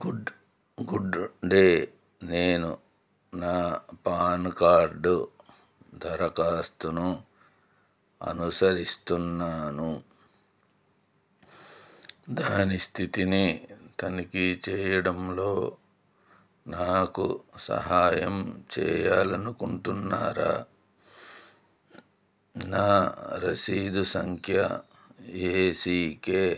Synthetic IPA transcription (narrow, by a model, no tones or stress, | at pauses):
ɡɖ | ɡuɖɖeː | neːnu | naːpaːnkaːɾɖu | d̪ʱɐɾɐkaːst̪unu | ɐ̰nusɐɾist̪unːaːnu | d̪aːnist̪ʰit̪init̪ɐnikit͡ʃɛːjɐɽɐmlo̞ː | naːkusɐ̰ɦaːjɐmt͡ʃɛ̰ːjaːlɐnukuɳʈunːa̰ːɾa̰ | naːɾɐsiːd̪usɐŋkʰjɐ | eːsiːkeː